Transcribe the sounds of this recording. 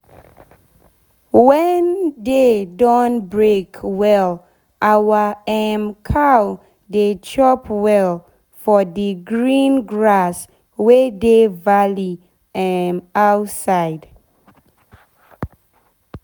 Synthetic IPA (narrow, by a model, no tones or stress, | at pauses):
wɛndedɔ̃nbɹekʰwɛl | ʔawaɛmkʰaw | det͡ʃʰɔpwɛl | fɔdiɡɹĩnɡɹas | wɛdevali | ɛmawtsaɪd